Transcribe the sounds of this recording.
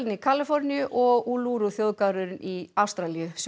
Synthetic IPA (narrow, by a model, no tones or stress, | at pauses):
lnikʰalɪfɔɾnɪjʏʔɔɣuːluɾuθjowðkaɾʏɾɪniawst̪ɾalijʏs